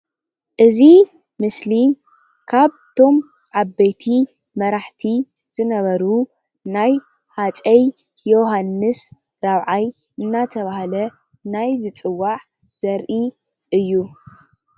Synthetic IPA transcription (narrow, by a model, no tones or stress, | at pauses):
ʔɨzi | mɨsli | kʰaβt̪ʰo̞m | ʕabːejt̪ʰi | mɐɾaħt̪ʰi | z̥ɨnɐβɐɾu | naj | hat͡sʼɐjː | o̞ɦanːɨs | ɾaβʕaj | ɨnːat̪ʰɐβahalɐ | najzɨt͡sʼɨwːaʕ | z̥ɐɾʔi | ʔɨjːu